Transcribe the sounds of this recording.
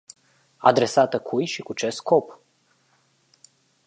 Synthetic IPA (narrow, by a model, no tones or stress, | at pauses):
a̰d̪ɾe̞sat̪əkʰujʃikut͡ʃe̞sko̞p